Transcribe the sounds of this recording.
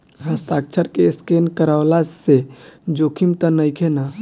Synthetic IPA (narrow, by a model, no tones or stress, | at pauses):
ɦəst̪aːk̚t͡ʃʰəɾkeskenkəɾaolased͡ʒokʰimt̪ənəjkʰena